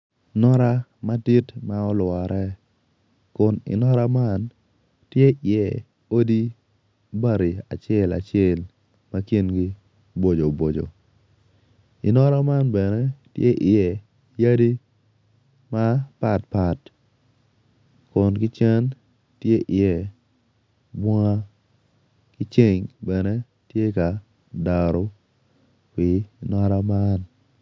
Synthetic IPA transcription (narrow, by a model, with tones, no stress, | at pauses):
nɔ˦ɾa˦ma˦di˦tma˦ɔ˦lwa˨ɾʔɛ˦ | kʊ˨nɪ̰˨nɔ˦ɾa˦ma˦n | tje˦ʔɪɛ˨ | o˦di˦ | ba˦ɾi˨a̰˨t͡ʃɛ˦la̰˨t͡ʃɛ˦˨l | ma˦ki˦nɡi˦ | bo˨d͡ʒo˨bo˨d͡ʒo̰˨ | ɪ˨nɔ˦ɾa˦ma˦nbɛ˨nɛ˦tjḛ˦ʔɪ˨ɛ˨ | ja˦di˦ | ma˦pa˨tpa˨t | kʊ˨nkɪ˦t͡ʃɛ˦n | tje˦ʔɪ˨jɛ˨ | bwɔ˦ŋa˦ | kɪ˦t͡ʃe˦ɲbɛ˨ne˦ | tje˦ka˨ | da˨ɾo˦ | pi˨nɔ˦ɾa˦ma˦n